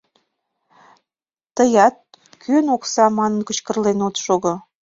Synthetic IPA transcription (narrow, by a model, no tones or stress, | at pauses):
t̪əjɑt̪̚ | kynoksɑmɑnənkət͡ɕkə̆rlenot̪ʃoɣo